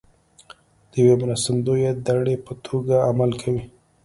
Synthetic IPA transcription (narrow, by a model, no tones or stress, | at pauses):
d̪̥əjwemɾast̪ɪnd̪ojed̪aɽepət̪ʰoɡaamalkʰawi